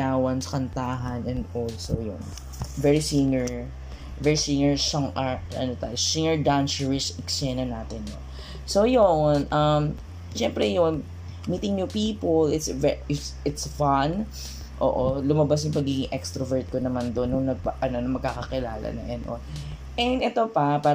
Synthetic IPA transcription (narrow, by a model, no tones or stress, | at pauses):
aːwɐnskɐnt̪aːɦɐnɛnd̪olsojʊ̰n | vɛɹisiŋɛɹ | vɛɹisiŋɛɹʃɐŋʔaɹʔɐ̰not̪a̰josiŋɛɹd̪ansɛɹɪsɪksɛnɐnaːt̪ɪnːon | sojonʔɐm | ʃɛmpɾɛjʊŋ | miːt̪ɪŋɲupiːpolɪt̪svɛɪtsɪt̪sfan | ʔo̰ːʔolʊmɐbas̬jʊŋpɐɡiːɡɪŋʔɛkst̪ɾɐvɛɹt̪̚konɐmand̪o̞nːʊŋnɐɡ̚pʔɐno̞nɐŋmɐɡ̚kaːkɐkɪla̰ːlɐ̰nɐ̰ŋʔɛnʔo̰d̪ | ʔɛnd̪ɛt̪o̞pɐpaː